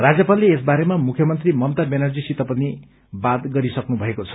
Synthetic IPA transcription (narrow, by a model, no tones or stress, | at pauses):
rad͡zjʌpalːeːsbaɾemamukʰjʌmʌnt̪rimʌmt̪abenʌrd͡zisit̪apʌni | bat̪ɡʌɾisʌknubʱʌekot͡sʰʌ̥